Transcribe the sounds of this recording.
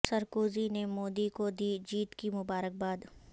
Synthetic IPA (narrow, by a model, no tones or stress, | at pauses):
sɐɾkoːzinemoːd̪ikod̪iːd͡ʒiːt̪kimʊbaːɾək̚baːd̪